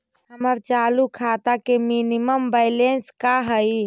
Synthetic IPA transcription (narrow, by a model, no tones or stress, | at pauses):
ɦəməɾt͡ʃalukʰat̪akeminiməmbəɪlenskaɦəj